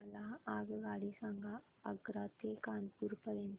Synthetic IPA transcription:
laaːɡɡaːɽisaŋɡa | ɐɡɾaːt̪ekaːnpuːɾpəɾen

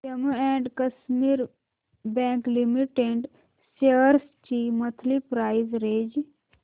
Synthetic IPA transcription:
t͡ʃɐmɛːɳɖkəsmiːɾ | bɛ̃ːŋklimiʈeɳɖ | seɾst͡ʃimət̪ʰlipɾaːizɾeːd͡ʒ

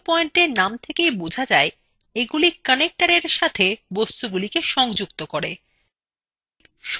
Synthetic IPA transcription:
pɔeɳʈeɾnamt̪ʰekejbud͡ʑʱad͡ʑae | eɡulikənek̚ʈaɾeɾʃat̪ʰebost̪uɡulikeʃɔŋd͡ʑukt̪okoɾe | ʃ

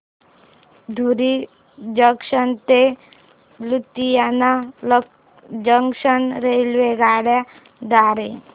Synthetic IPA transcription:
d̪ʱuɾi | d͡ʒəkʂənt̪e | lut̪ijana | d͡ʒəŋkʂənɾelʋeɡaɽja | d̪aɾe

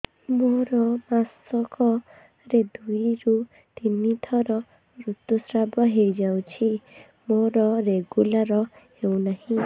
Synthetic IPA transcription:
moɾɔmasɔkɔ | ɾed̪ujɾu | t̪init̪ʰɔɾɔ | ɾut̪usɾabɔɦejd͡ʒaw̃t͡ʃʰi | moɾɔɾeɡulaɾɔhew̃nahĩ

